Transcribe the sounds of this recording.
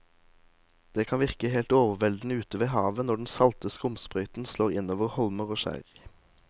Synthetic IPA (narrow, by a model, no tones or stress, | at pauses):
d̪̥eːkʰɑnʋɪʁkəheːlt̪oːʋəʁʋɛld̪n̩ʉːt̪əʋeːhɑːʋənɔɖn̩sɑlt̪əskəʊmspʁœʏt̪n̩sloːʁɪnoːʋəʁhɔlməʁoːʃæ̰ʁ